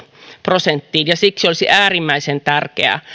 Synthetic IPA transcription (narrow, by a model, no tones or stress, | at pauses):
prosent̪ːiːnjɑsiksiolsiʔæːrimːæisent̪ærkḛæ̰